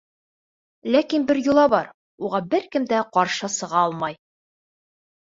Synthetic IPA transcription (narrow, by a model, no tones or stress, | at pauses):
lækinbɘɾjŭlˠɑbɒɾ | uʁɑbɘɾkɘ̆md̪æqɒɾʃɤsɤ̆ʁɑɒlˠmɑj